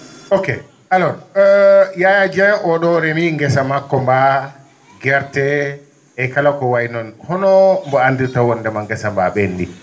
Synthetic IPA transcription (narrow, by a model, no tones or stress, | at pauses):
okḛ | alɔ | jajad͡ʒɛʔɔɗɔɾɛmiŋɡɛsamakːɔmba | ɡɛɾtɛ | ɛkalakɔwajnɔnhɔnɔmbɔandiɾtawɔndɛmaŋɡɛsambaɓɛndi